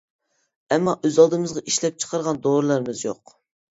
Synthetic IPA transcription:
ɛmːɑʔøzɑlˠd̪ɨmɨzʁɑʔiʃlɛp̚t͡ʃʰə̥qʰɑɾʁɑnd̪oɾɨlˠæɾmɨzjo̰q

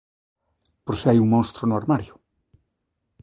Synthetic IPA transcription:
poɾseajuŋmõnst̪ɾonʊaɾmaɾjʊ

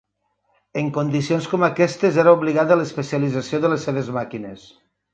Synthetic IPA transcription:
eŋkond̪isionskomakɛst̪ezeɾaoβliɣaðelespesiəlid͡zasioðəlesːeβezmakines

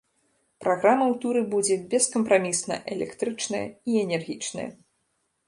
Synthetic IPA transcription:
pɾaɣɾamɐwt̪uɾɨbud͡zʲɛbʲɛskɐmpɾamʲisnɐ̰ʔɛlʲɛ̰kt̪ɾɨt͡ʂnɐjɐ̰iɛnʲɛrɣʲit͡ʂnɐ̰jɐ̰

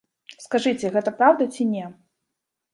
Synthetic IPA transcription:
skaʐɨt͡sʲɛɣɛt̪ɐpɾawd̪ɐt͡sʲinʲɛ

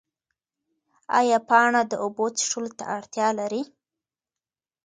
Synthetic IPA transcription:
ɑ̰jɑpɑɳad̪əobot͡si̥ʂolot̪a̰ʔaɽt̪jɑlaɾi

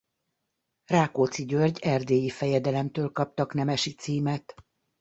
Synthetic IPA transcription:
raːkot̪siɟørɟɛrd̪eːjifɛjɛd̪ɛlɛmt̪øːlkɒp̚t̪ɒknɛmɛʃit̪siːmɛt̪

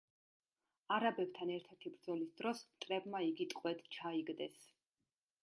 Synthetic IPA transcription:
aɾabɛbt̪ʰanɛɾt̪ʰɛɾt̪ʰibɾd̪zɔlisd̪ɾɔsmt̪ʼɾɛbmaiɡit̪ʼkʼwɛd̪t͡ʃʰaiɡd̪ɛs

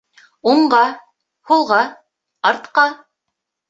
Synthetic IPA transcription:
uɴɢɑ | hulˠʁɑ | ɑɾt̪qɑ

